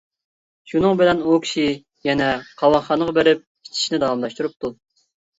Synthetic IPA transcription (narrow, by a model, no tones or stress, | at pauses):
ʃunɨŋbɪlɛnukʲʰi̥ʃi | jɛnɛqʰɑwɑnχɑnəʁɑbeɾɪp̚ʰ | i̥t͡ʃ̪ʰi̥ʃnɪd̪ɑwɑmlˠɑʃt̪uɾup̚t̪ʰu